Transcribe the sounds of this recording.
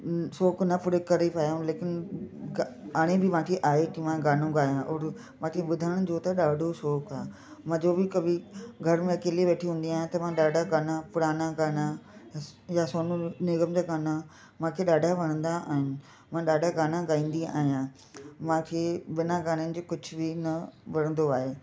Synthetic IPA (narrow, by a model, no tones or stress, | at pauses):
soːknɐpʊɽekɐɾepaːjũleːkɪnɪaaːɽ̃ẽbʱɪʋãːkʰeʔaːɦeʈimãɡaːnõɡaːjãʔɔːɾ | mãːkʰeɓʊd̪ʱəɽ̃d͡ʑoːt̪ɐɗaːɖʱosoːkaːɦ | mãd͡ʑoːbɪkɐbʱiɡʱɐɾmẽɐkeːliʋeːʈʰiɦũːnd̪iaːɦj̃t̪ɐmãɗaːɖʱaɡaːnapʊɽaːnaɡaːna | jasoːnũnɪɡəmd͡ʑaːɡaːna | mãːkʰeɗaːɖʱaʋɐɽ̃ə̃nd̪aʔaːɦɪnɪ̆ | mãːɗaːɖʱaɡaːnaɡaːĩːn̆d̪ia̰ːɦijã | mãːkʰeːɓɪnaɡaːnənɪ̆d͡ʑoːkʊd͡ʑʱʊbʱɪnɐʋɐɽ̤̃ə̃nd̪oaːɦeː